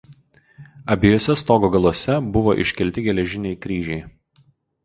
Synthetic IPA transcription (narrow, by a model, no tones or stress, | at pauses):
ɐbʲɪjoːsʲɛst̪oːɡoɡɐlˠuɔsʲɛbʊʋoʔɪ̰ʃʲkʲɛlʲt̪ʲɪɡʲɛlʲɛʒʲɪnʲɛɪkɾʲiːʒʲɛɪ